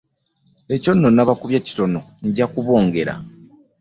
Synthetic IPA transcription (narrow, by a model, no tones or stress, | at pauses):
e̞co̞nːo̞nːaβakuβjaci̥to̞no̞ɲɟakuβo̞ːŋɡe̞ɾa̰